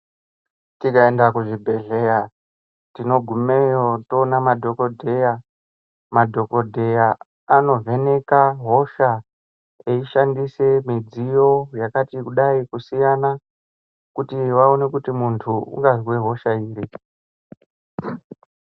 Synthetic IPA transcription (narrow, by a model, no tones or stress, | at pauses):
tikaendakuʐibʱe̞ɮe̞ja | tino̞ɡʱumejoto̞namadʱo̞ko̞dʱeja | madʱo̞ko̞dʱe̞jaː | no̞ve̞ne̞kaɦo̞ʃa | eiʃandise̞mid͡zijo̞jakatikuɗaikusijana | kutiʋaone̞kutimuntʰuṵŋɡazweɦo̞ʃaiːɾi